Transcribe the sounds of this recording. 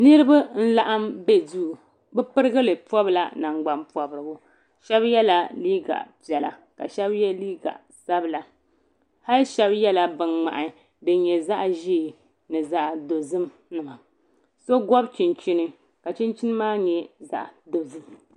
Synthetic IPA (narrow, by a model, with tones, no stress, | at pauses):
nɨ˦ɾɨ˦ba˦n̩˦la˦ʔa˦mbɛ˦du˦˨ | bɛ˦pɨ˦ɾɨ˦ɡɨ˦lɨ˨pɔ˦bla˨na˨ŋ͡mɡ͡ba˨mpɔ˨bɨ˨ɾɨ˨ɡʊ˦ | ʃɛ˦bjɛ˦la˨liː˦ɡa̰˨pi˨ɛ˨la̰˨ka̰˨ʃɛ˦bjɛ˦liː˦ɡa̰˨ʔ | sa˦bɨ˨la˨ | ha˦lʃɛ˦bjɛ˦la˨bɨ˨nŋ͡ma̰˨ʔa˨ | dɨ˨ɲɛ˨za˦ʔʒi˦˨ | nɨ˨za˦ʔdo˨zɨ˦m | nɨ˨ma˨ | so˦ɡɔ˦bt͡ʃi˨nt͡ʃi˦nɨ˦ | ka˨t͡ʃi˦nt͡ʃi˦nɨ˦maː˦ɲɛ˨za̰˦˨ʔdo˨zɨ˦m